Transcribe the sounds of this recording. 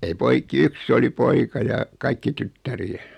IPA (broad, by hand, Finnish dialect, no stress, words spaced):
ei poikˑi yksː oli poikɑ jɑ kɑikːi tytːæriæ